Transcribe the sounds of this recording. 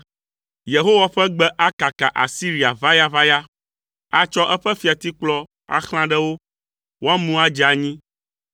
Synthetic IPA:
je˨ɦo˦wa˨ɸɛ˦ɡ͡bɛ˦ʔa˦ka˨ka˨ʔa̰˨si˦ɾi˨a˨va˦ja˦va˦ja˦ | a˨t͡ʃɔ˦ʔɛ˦ɸɛ˦fi˨a˨t̪i˦k͡plɔ˦ | a̰˦xl̃ã˦ɖɛ˦wo˦ | wo˦a˦mũ˦a˦d͡ʒa˨ɲĩ˦

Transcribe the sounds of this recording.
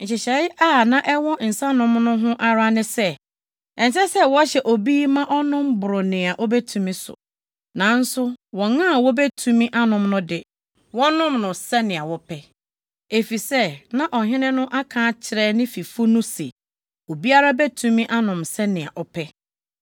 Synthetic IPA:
ɲ̩˨t͡ɕɪ˨ɕɛ˨ɪ˦ʔaː˦˨nã˦ʔɛ˦wɔ̃˦˨n̩˨sã˦nʊ̃˦mnʊ̃˦ɦʊ̃˦ʔa˦ɾa˦nɪ̃˦sɛ˦ | ɛ̃˨n˨s̬ɛ˦sɛ˦wɔ˦ɕɛ˨ʔo˨biː˦mã˦ʔɔ˦nʊ̃˦m˦bʊ˨ɾʊ˨nɪ̃˨a˨ʔɔ˦be˦tʰũ˨mĩ˦sʊ̰˨ | nã˨˦n̩˦sʊ˦wɔ̃˨ŋnã˦˨wɔ˦be˦tʰũ˨mĩ˦ʔa˦nʊ̃˨mnʊ̃˦dɪ˨ | wɔ˦nʊ̃˦mnʊ̃˨sɛ˦nɪ̃˨a˨wɔ˦pʰɛ˦ | e˨fi˨sɛ˦nã˦ʔɔ˨ɦɪ̃˦nɪ̃˦nʊ̃˦ʔa˦kʰãː˦t͡ɕʰɪ˨ɾɛː˦nɪ̃˦fi˨fʊ˦nʊ̃˦sḛ˨ | o˨bi˦a˦ɾa˦bɛ˦tʰũ˨mĩ˦ʔa˦nʊ̃˨msɛ˦nɪ̃˨a̰˨ʔɔ˦pʰɛ˦

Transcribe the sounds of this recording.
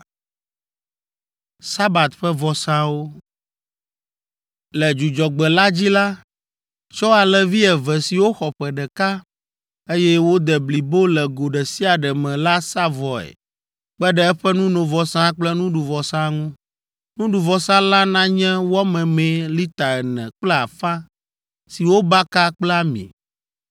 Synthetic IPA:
sa˦ba˨t̪ɸɛ˦vɔ˨sã˦wo˦ | lɛ˨d͡ʒu˨d͡ʒɔ˨ɡ͡bɛ˨la˦d͡ʑi˦la˦ | t͡ʃɔ˦a˨lɛ˨vi˦ɛ˨vɛ˨si˨wo˦xɔ˨ɸɛ˨ɖɛ˨ka˦ | e˦jɛ˦wo˦d̪ɛ˨bli˨bo˦lɛ˨ɡo˨ɖɛ˨si˦a˨ɖɛ˨mɛ̃˨la˦sa˦vɔ˨ɛ̰˨ | k͡pɛ˦ɖɛ˦ɛ˦ɸɛ˦nũ˦nõ˨vɔ˨sã˦k͡plɛ˦nũ˦ɖu˨vɔ˨sã˦ŋũ˦ | nũ˦ɖu˨vɔ˨sã˦la˦nã˦ɲɛ̃˦wɔ˦mɛ̃˨mɛ̃˨li˦t̪a˨ɛ˨nɛ̰̃˨k͡plɛ˦a̰˨fa˦ | si˨wo˦ba˦ka˦k͡plɛ˦a˦mḭ̃˨

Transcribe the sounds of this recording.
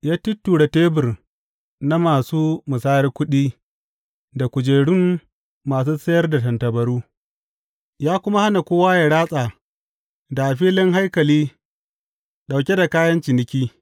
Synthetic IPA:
jaː˦tʊ˦tːuː˨ɽa˨teː˦bɪ˨r | na˦maː˨suː˦mʊ˨saː˦jɐ˦rkʷʊ˦ɗiː˦ | da˨kʷʊ˨d͡ʒeː˨ɽʊ˦mː | aː˨s̬uː˦sɐ˦jɐ˦rda˨tɐ˨ntɐ˨bɐ˨ɽuː˦ | jaː˦kʷʊ˦ma˦ha˦na˨kʷoː˦waː˦ja˨ɽaː˦sʼaː˨ | da˨ʔa˨ɸiː˦lɪ˦ŋɦa˦jkɐ˨liː˦ | ɗa˨wkʲe˦da˨kaː˦jɐ˦nt͡ʃɪ˨nɪ˦kʲiː˦

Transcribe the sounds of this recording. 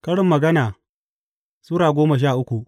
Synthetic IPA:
kɐ˦ɽɪ˦mːɐ˨ɡɐ˦naː˨ | suː˦ɾaː˨ɡʷoː˦mɐ˨ʃ̬aː˦˨ʔʊ˦kʷu˨ʔ

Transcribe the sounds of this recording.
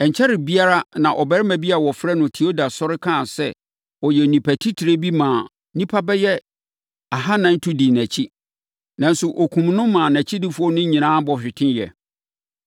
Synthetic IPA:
ɛ̃˨ɲ˨t͡ɕʰɛ˦ɾɪ˨bi˦a˦ɾa˦nã˨ʔɔ˨bɛ˦ɾɛ˦mæ̃˨bi˦a˨wɔ˨fɾɛ˦nʊ̃˨tʰi˨o˦da˨sɔ˦ɾɪ˦kʰã˦˨sɛ˦ | ɔ˨jɛ˨nĩ˨pʰæ˨tʰi˦tʰi˨ɾe˦bi˦mãː˨˦ | nĩ˦pʰa˦bɛ˦jɛ˦ | a˨ɦa˦nã˨n̩˦tʰu˦di˨næ̃˨t͡ɕʰi˦ | nã˨n˦sʊ˨ʔo˨kʰũ˨mnʊ̃˦mːãː˨næ̃˨t͡ɕʰi˦dɪ˦fʊ˦ɔ˦nɪ̃˦ɲĩ˨nãː˦bɔ˨ɕᶣɪ˨tʰɪ̃˦njɛ̰˨

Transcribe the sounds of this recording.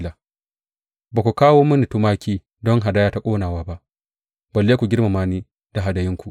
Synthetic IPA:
la˨ | ba˨kʷu˨kaː˦woː˦mu˦ni˨tu˦maː˦kʲiː˦ | dɔ˦ŋɦa˨da˦jaː˦ta˦kʷʼoː˦naː˨waː˦ba˦ʔ | bɐ˨lːeː˦kʷu˨ɡʲɪ˦ɾma˨maː˦niː˦ | d̥a˨ɦa˨da˨jɪ˦ŋkʷu˨ʔ

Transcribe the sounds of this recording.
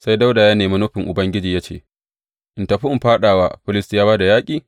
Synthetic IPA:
sa˦jda˦wdaː˨jaː˦neː˨ma˦nu˦ɸɪ˨ŋʔʊ˨bɐ˦ŋɡʲɪ˦d͡ʒiː˨jaː˦t͡ʃḛː˦˨ | ʔɪ˨nta˨ɸi˦ɪ˨mɸaː˦ɗaː˨waː˦ɸɪ˦lɪ˦stɪ˦jaː˦baː˦da˨jaː˦kʲʼiː˨

